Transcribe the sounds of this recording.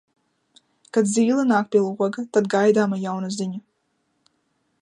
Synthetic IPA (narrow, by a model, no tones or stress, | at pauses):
kad̪zʲiːlˠɨnaːk̚pʲiɛlˠuɔɡat̪ad̪ɡajd̪aːmajawnaziɲu